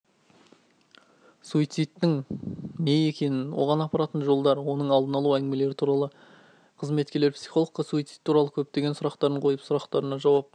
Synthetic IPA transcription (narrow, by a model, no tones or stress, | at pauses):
suit̪sijt̪ːɪŋne̞je̞kʲe̞nɪnwo̞̰ʁɑnɑpɑɾɑt̪ənʒo̞lˠd̪ɑɾwo̞nəɴɑlˠd̪ənɑlˠuæŋɡɪme̞le̞ɾɪt̪ʰuɾɑlˠə | qʰəzme̞t̪kʲele̞ɾpsijχo̞lˠəqːɑsuit̪sijt̪ʰːuɾɑlˠəkʲʰɵp̚t̪e̞ɡʲe̞nsʊɾɑqt̪ɑɾəɴqʰo̞jəpsʊɾɑqt̪ɑɾənɑʒɑwɑp